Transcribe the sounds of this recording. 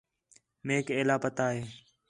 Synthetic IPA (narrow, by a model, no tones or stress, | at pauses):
meːkeːlaːpət̪aːɦeː